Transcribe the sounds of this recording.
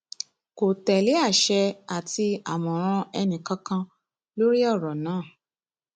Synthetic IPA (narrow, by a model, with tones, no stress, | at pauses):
ko˨tɛ˨le˨˦a˦˨ʃɛ˧a˨ti˧a˨mɔ̃˨ɾ̃ã˧ɛ˧nĩ˨kã˧kã˧ | lo˦ɾi˦ɔ˦˨ɾɔ˨nãː˨˦˨